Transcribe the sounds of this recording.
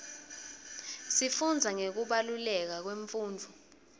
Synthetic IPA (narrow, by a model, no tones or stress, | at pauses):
sifund͡zʱaŋek̬uɓalulɛk̬ak̬weɱfuːnd͡vʱu